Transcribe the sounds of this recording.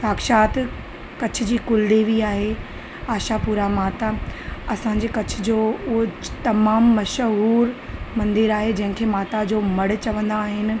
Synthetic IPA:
saːkʃaːt̪ | kɐt͡ɕʰʊ̆d͡ʑiːkʊld̪eːʋiaːɦe | aːʃapuːɾamaːt̪aɐsãːɲ̆d͡ʑeːkɐt͡ɕʰʊ̆d͡ʑoːʊɦot̪ɐmaːmːɐʃɦuːɾmɐ̃nd̪ɪɾaːɦed͡ʑɐ̃ɦɪ̃kʰeːmaːt̪ad͡ʑoːmɐɽɪ̆t͡ɕɐʋə̃nd̪aːɦɪnɪ̆

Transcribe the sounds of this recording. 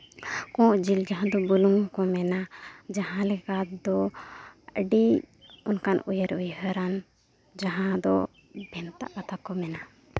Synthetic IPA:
kɔ̃ʔd͡ʒild͡ʒaɦãd̪ɔbuluŋkɔmɛnad͡ʒaɦãlɛkad̪ɔ | əɖi | unkanujəɾujɦəɾan | d͡ʒaɦãd̪ɔ | bʱɛnt̪a̰ʔkat̪ʰakɔmɛna

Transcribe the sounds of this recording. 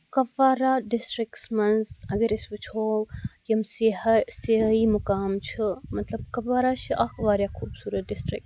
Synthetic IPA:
kɐʋaːɾaːɖɪsʈɾɪksmɐnzɐɡɐɾisʋut͡ʃʰoːwjɐmsiseɦiːmʊkaːmt͡ʃʰimɐt̪lɐb̚kɐʋaːɾaːt͡ʃʰiʔɐkʋaːɾjaːkʰuːbsuːɾɐt̪̚ɖɪsʈɾɪ̰k̚

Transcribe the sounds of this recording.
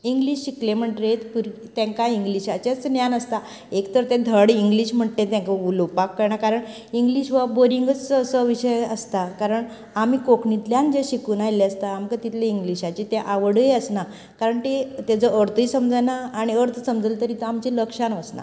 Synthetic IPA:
iŋɡliɕɕiklem̤əʈɾet̪puɾ | t̪ẽŋkaiŋɡliɕat͡ɕat͡snjanəst̪a | ekt̪əɾt̪ẽd̪ʱəɽiŋɡliɕm̤əʈt̪ẽt̪ãŋkaulopakːəɾɳakaɾəɳ | iŋɡliɕʋaboɾiŋɡət͡səsəʋiɕəjəst̪akaɾəɳ | amiːkokɳit̪ljãnd͡ʑeɕikuːnajleəst̪aːmkat̪it̪ʰleiŋɡliɕat͡ɕit̪eʔaʋəɽeəsna | kaɾəɳt̪et̪ed͡zəʔəɾt̪ʰisəmd͡zənaːɽ̃iəɾt̪ʰsəmd͡zəlt̪əɾit̪amt͡ɕiləkʂanəsna̰

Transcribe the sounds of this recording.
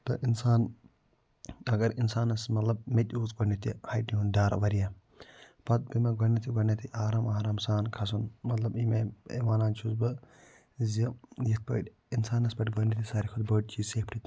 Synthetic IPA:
t̪ɐ̰ʔinsaːn | ɐɡɐɾinsaːnɐsmɐt̪lɐbmet̪ʲuːzɡɐɳit̪ḭhɐjʈniɦund̪aːɾɐ̰ʋɐɾija | pɐt̪̚bimeɡɐnit̪ʰiɡɐnɐt̪ʰiʔaːɾaːmaːɾaːmsaːnkʰɐsunmɐt̪lɐbimeḛʋaːnaːnt͡ʃʰuzbɨ | zijit̪̚pɐ̰ːʈʲ | insaːnɐsbɐʈɡɐɳit̪ʰisaːɾikʰud̪bəʈ̚t͡ʃiːsek̚pʈʰit̪

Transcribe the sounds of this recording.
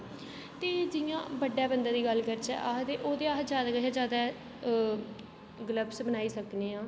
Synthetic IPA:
t̪eːd͡ʒɪjãːbəɖːaːbənd̪ãːd̪iːɡəlkəɾt͡ʃɛ̰ːʔaːt̪eːʔoːd̪eːaːɦd͡ʒaːd̪aːkəɦaːd͡ʒjaːd̪aː | ɡələbsbənaːiːsəkneːãː

